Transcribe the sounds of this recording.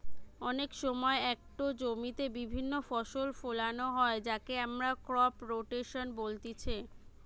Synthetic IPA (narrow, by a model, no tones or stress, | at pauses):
ɔnekʃɔmɔeɛk̚ʈod͡ʑomit̪ebibʱinːofɔʃolfolanoɦɔed͡ʑakeamɾakɾɔpɾoʈeʃonbolt̪it͡ɕʰe